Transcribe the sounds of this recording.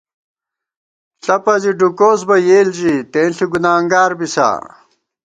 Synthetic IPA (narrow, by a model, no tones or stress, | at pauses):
ɬɐpɐziɖukoːsbɐjeːld͡ʑit̪ẽːnɬiɡunaːŋɡaːɾbisa̰ː